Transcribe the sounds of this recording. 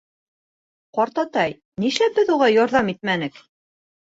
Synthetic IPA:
qɒɾt̪ɑt̪ɑj | niʃæbɘðuʁɑjɒɾðɑmit̪̚mænɘk

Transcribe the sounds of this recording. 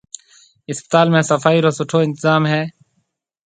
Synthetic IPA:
ɪspɪ̥t̪aːlmẽːsəfaːiːɾoːsʊʈʰoːɪ̃nt̪ɪzaːmɦɛː

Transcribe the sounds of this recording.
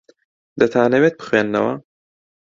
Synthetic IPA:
d̪ɐt̪ʰaːnɐweːt̪̚bɨ̥xweːnːɐ̰wɐ̰

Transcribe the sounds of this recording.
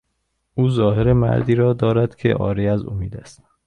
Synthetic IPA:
ʔuːzɒːɦeɾemæ̰ɾd̪iːɾɒːd̪ɒːɾæd̪̥cʰḛʔɒ̰ːɾiæzṵmiːd̪æst̪

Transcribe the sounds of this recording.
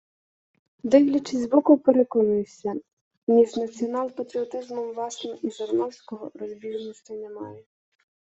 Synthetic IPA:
d̪ɛjlʲit͡ʃɪzʲzbɔkʊpeɾekɔnʊjesʲɐ | nʲiznɐt͡sʲiɔnalˠpɐt̪ɾɪɔt̪ɪzmɔmvlˠasnɔʔiʒɔrnɔwsʲkɔɦɔ̰rɔzʲbʲirnɔsʲt̪ɐnɛmajɛ

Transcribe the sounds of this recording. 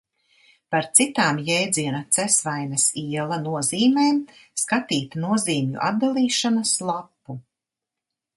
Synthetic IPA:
paɾt̪sit̪aːmjɛjd̪ziɛnat̪sɛsvajnɐsiɛlˠɐnuɔziːmeːmskat̪iːt̪nuɔziːmjṵʔa̰d̪̚d̪alˠiːʃanɐslˠapːu

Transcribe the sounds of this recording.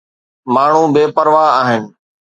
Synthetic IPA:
maːɳ̤ũːbeːpəɾʋaːaːɦɪnɪ̆

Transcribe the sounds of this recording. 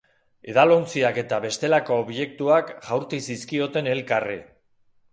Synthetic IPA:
e̞ðalo̞nt͡siake̞t̪aβe̞st̪e̞lako̞ːβje̞k̚t̪uakʝawɾt̪isiskio̞t̪e̞ne̞lkari

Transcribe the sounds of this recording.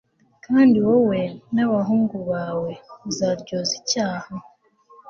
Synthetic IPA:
kaːndiwowenaβaɦuːŋɡuβaːwezaɾɟozicaːha

